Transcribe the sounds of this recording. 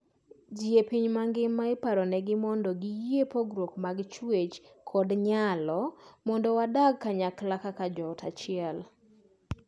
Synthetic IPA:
d͡ʒjepiɲmaŋɡɪmːaɪpaɾɔnɛɡɪmɔndɔɡɪjiepoɡɾokmaɡt͡ʃwet͡ʃkʰɔdɲalɔmɔndɔwadaɡ̚kːaɲaklakakad͡ʒɔtʰa̰t͡ʃɪɛl

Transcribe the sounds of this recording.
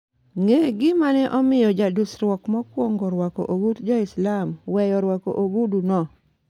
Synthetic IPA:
ŋeɡɪmanɛʔɔmɪjɔd͡ʒadusɾwɔkmɔkwoŋɡɔɾwako̰ʔoɡutd͡ʒɔɪslamwɛjɔɾwako̰ʔoɡudunɔ

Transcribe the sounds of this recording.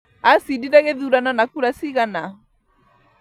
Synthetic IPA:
asidiɾaɣeðuɾananakuɾasiɣana

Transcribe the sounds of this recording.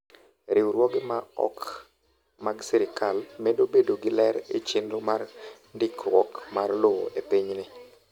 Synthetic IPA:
ɾɪwɾwɔɡɪmaɔ̰k | maɡsɛɾɪkalmɛdobedoɡɪlɛɾit͡ʃɪnomar | ndikɔ̰kmarlowo̰ʔepiɲnɪ

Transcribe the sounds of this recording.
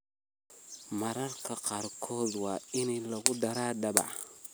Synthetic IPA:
mɐɾɐrkʰɐqɑːrkʰɔːd̪wɑːɪnilɐɣʊd̪ɐɾaːɖɐbɑ̰ʕ

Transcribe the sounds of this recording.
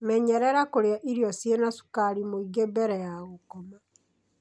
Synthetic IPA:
mɛɲɛɾɛɾakoɾeaʔiɾiɔsjenasu̥kaɾimoiɣebɛɾɛjaɣokɔma

